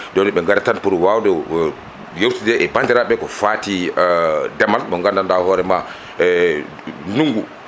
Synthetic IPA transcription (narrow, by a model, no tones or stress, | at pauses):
dɔnɓɛŋɡaɾatanpuɾuwawdɔ | jowtidɛʔɛbandiɾaɓɛkɔfati | dɛmalɗɔŋɡandandahɔːɾɛma | nuŋɡu